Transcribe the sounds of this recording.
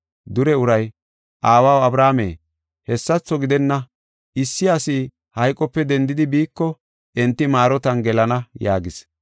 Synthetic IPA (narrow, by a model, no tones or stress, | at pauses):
d̪ʊɾɛʊɾɐj | ʔaːwaːwɐbɾaːmḛː | hɛsːɐt͡sːɔɡɪd̪ɛnːɐ | ʔɪsːɪɐsiː | hɐjkʼɔpːɛd̪ɛnd̪ɪd̪ɪbiːkːɔ | ʔɛnt̪ːɪmaːɾɔt̪ɐnɡɛlɐnɐjaːɡɪs